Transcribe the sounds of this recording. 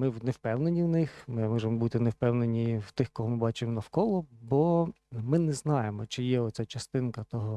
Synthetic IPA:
mɪwnewpɛwnenʲiwnɪxmɪmɔʒemɔbut̪ɪnewpɛwnenʲiwt̪ɪxkɔɦɔmɪbɑt͡ʃɪmɔnɐwkɔlˠɔbɔmɪnɛznɑjemɔt͡ʃɪjɛɔsʲat͡ʃɐst̪ɪnkɐt̪ɔɦɔ

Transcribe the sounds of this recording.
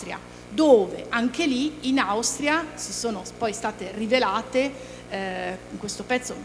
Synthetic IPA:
t̪ɾja̰ | d̪oːvḛʔaŋkeliːnawst̪ɾjasisoːnopɔjst̪aːt̪erivelaːt̪e | iŋkwest̪opɛt̪sːo

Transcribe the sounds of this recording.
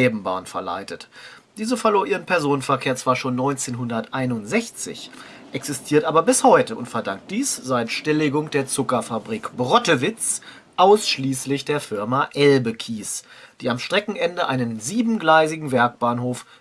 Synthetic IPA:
ɛːbm̩ba̰ːnfɛɐla̰ɪtətd̥iːzəfɛɐloːɐʔiːʁənpɛɐzoːnənfɛɐkʰeːɐt͡sv̥aːɐʃoːnːɔʏnt͡seːnɦʊndɐtʔaɪnʊntz̥ɛçt͡sɪ̰ç | ʔɛksɪstʰiːɐtʔaːbɐbɪshɔʏtəʊ̰ntfɛɐdaŋk̚t̚d̥iːsz̥aɪtʃtɪlɪɡʊŋd̥eːɐt͡sʊkɐfabʁiːkb̥ʁɔtəvɪt͡s | ʔaʊsʃliːslɪçd̥eːɐfɪɐmaʔɛlbəkʰiːsd̥iːamʃtʁ̥ɛkŋ̩ʔɛndəʔaɪnənziːbm̩ɡlaɪzɪɡŋ̩vɛɐk̚b̥aːnhoːf

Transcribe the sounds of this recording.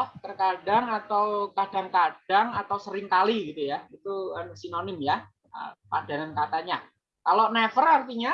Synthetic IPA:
t̪ərkadaŋat̪awkadaŋkad̥aŋat̪awsəɾɪŋkaliɡit̪ujait̪uəsinonɪmja | ə̰pada̤nankat̪aɲa | kalonefərart̪iɲa

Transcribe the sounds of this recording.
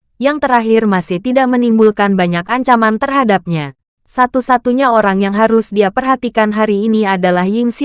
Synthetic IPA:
jaŋt̪əɾaɦɪrmasɪht̪idaʔmənimbulkanbaɲakaɲt͡ʃamant̪ərɦadap̚ɲa | sat̪usat̪uɲaoɾaŋjaŋɦaɾʊsdiapərɦat̪ikanɦaɾiːniadalahjɪŋsi

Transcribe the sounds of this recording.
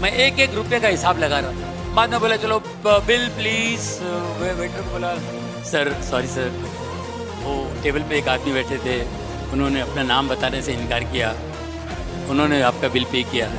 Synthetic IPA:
mɛ̃ʔeːkeːkɾʊpjakaɦɪsaːblɐɡaːɾaː | maːd̪mẽboːlat͡ʃɐlo | bɪlpliːz | ʋeʋeːʈokboːla | sɐɾsɔːɾisɐɾ | ʋoːʈeːbəlpeːkaːd̪mibɛːʈʰed̪ʰeː | ʊnɦõːneɐpnanaːmbɐt̪aːneseɪ̃nkaːɾkijaː | ʊnɦõːneaːp̚kabɪlpeːkijaː

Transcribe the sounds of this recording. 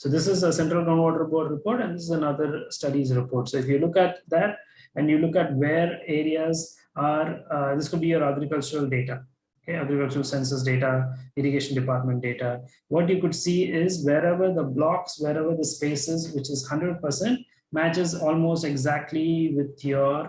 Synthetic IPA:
soːd̪ɪsɪzəsɛ̃ɳʈɾəlɡɾãʊ̃nʋɔːɖəɾpɔːʈɾɪpoːɾʈɛ̃nd̪ɪsɪzənʌd̪əɾsʈʌɖizɾɪpoːɾʈsoːɪfjulʊkɛʈ̚d̪æʈ̚ɛ̃ɳɖjuːlʊkɛʈʋeːɾeːɾiaz | aːɾd̪ɪskʊɖ̚biːjoːɾaɡɾɪkʌlt͡ʃəɾəlɖeːʈa | okeaɡɾikʌlt͡ʃəɾəlsɛ̃nsəs̬ɖeːʈaɪɾiɡeːʃə̃nɖɪpaːɾʈmɛ̃ɳʈ̚ɖeːʈa | ʋɔːʈjuːkʊɖsiːɪzʋeːɾɛʋəɾd̪əblɔːksʋeːɾɛʋəɾd̪əspeːsɪzʋɪt͡ʃɪzhʌ̃ɳɖɾəɖ̚pəɾsɛ̃ɳʈ | mæt͡ʃɪzɔːlmoːsʈeɡzæk̚ʈliʋɪd̪jɔːɾ

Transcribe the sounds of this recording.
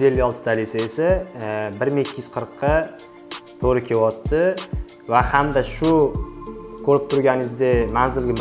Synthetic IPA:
e̞lːɪɒlˠt̪ʰɪ̥d̪ʰalisaesabɪɾmɪekʲːɪjyz̥qʰəɾqʰːɑ | t̪ʰoɾɪkʲʰe̞wɒt̪ʰːɪ | vahamd̪aʃʊ | kʰɵɾɪp̚t̪ʰʊɾɡʲanɪzd̪emanzɪlɡʲɪ

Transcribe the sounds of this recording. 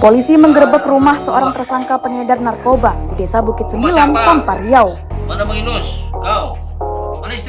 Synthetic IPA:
polisiməŋɡərbəkrumahsəoɾaŋt̪ərsaŋkapəŋədarnarkobadidesabukɪt̪̚səmbilank̪anpariaw | k

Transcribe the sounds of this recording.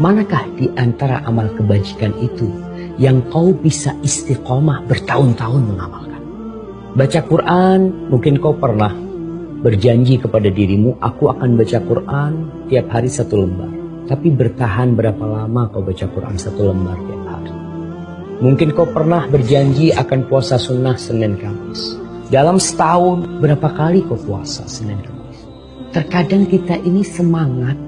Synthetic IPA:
manakahdiʔant̪aɾa̰ʔamalkəbaɲd͡ʒikanit̪u | jaŋkaubisaʔist̪iqɔmahbərt̪aʊnt̪aʊnməŋamalkan | bat͡ʃakuɾʔanmuŋkɪnkaupərnah | bərd͡ʒaɲd͡ʒikəpadadiɾimuʔa̰kuakanbat͡ʃakurʔant̪iap̚haɾisat̪uləmba̰rt̪apibərt̪aɦanbəɾapalamakawbat͡ʃakurʔa̰nsat̪uləmbart̪iap̚ha̰ɾi | muŋkɪnkawpərnahbərd͡ʒaɲd͡ʒiakanpuasasunahsənɛnkamɪs | dalamsə̥t̪aʊnbəɾapakalikawpua̰sa̰sənɛnkamɪs | t̪ərkadaŋkit̪aʔinisəmaŋat̪̚

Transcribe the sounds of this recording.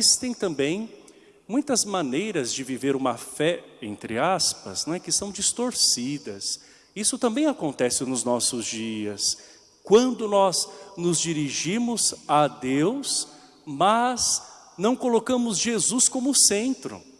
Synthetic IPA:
st̪ẽj̃t̪ɐ̃mbẽj̃ | mũj̃t̪ɐzmɐ̃nejɾɐzd͡ʒɪviveɾũmɐfɛẽnt̪ɾɪaspɐ̰znɛkɪsɐ̃w̃d͡ʒist̪oɾsid̪ɐs | isʊt̪ɐ̃mbẽj̃akõnt̪ɛsɪnʊznɔsʊzd͡ʒiɐs | kwɐ̃nd̪ʊnɔznʊzd͡ʒiɾiʒĩmʊzad̪ews | mɐz | nɐ̃w̃kolokɐ̃mʊzʒezuskõmʊsẽnt̪ɾʊ̰

